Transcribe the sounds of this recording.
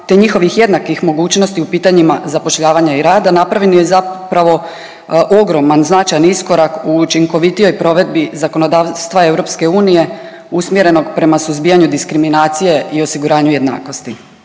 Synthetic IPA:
t̪eɲixo̞ʋixje̞d̪nakixmo̞ɡuːt͡ɕno̞st̪iupiːt̪aɲimazapo̞ʃʎaːʋaɲaiɾaːd̪anapɾaʋʎenjezapɾaʋo̞ | ʔo̞ɡɾo̞manznat͡ʃajanisko̞ɾakuːt͡ʃiŋko̞ʋit̪ijo̞jpɾo̞ʋe̞d̪bizako̞nod̪aːʋst̪ʋae̞wɾo̞pske̞uːnije̞ | usmjeɾe̞no̞ɡpɾe̞masuzbiːjaɲud̪iskɾiminaːt̪sije̞ʔio̞siɡuɾaːɲuje̞d̪na̰ːko̞st̪i

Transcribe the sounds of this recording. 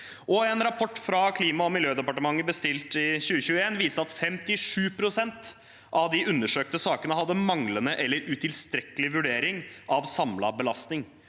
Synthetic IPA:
ʔɔɛnɾɑpʰɔʈːfɾɑkʰliːmɑɔmɪljøːd̪ɛpɑʈəmɑŋːəbəst̪ɪlt̪ɪçʉːəçʉːəeːnʋiːst̪əɑt̪fɛmt̪ɪʂʉːpʰɾʊsɛnt̪ | ʔɑʋd̪ɪʔʉnːəʂøːk̚t̪əsɑːkənəɦɑd̪ːəmɑŋlənəʔɛlːəɾʉt̪ʰɪlst̪ɾɛkəlɪʋʉɖeːɾɪŋʔɑʋsɑmlɑ̰bəlɑst̪nɪŋ

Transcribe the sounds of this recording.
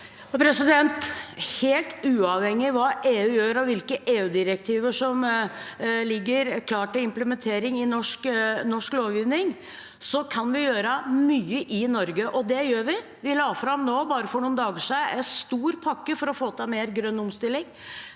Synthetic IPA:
pʰɾɛsɪd̪ɛnt̪heːlt̪ʉːɑʋhɛŋːɪʋɑːʔeːʉːjøːɾɑʋɪlkəʔeːʉːd̪ɪɾəkt̪ʰiːʋəʂɔm | lɪɡːəɾkʰlɑːʈɪlɪmpləmɛnt̪ʰeːɾɪŋɪnɔʂknɔʂkloːʋjiːʋnɪŋ | sɔkʰɑnʋɪjøːɾəmyːəʔɪnɔɾɡəʔɔd̪ɛjøːɾʋɪ | ʋɪlɑːfɾɑmnoːbɑːɾəfɔɳuːnd̪ɑːɡəʂæɪʔæst̪uːɾpʰɑkːəfɔɾɔfoːt̪ʰɑmeːɾɡɾœnːʊmst̪ɪlːɪŋ

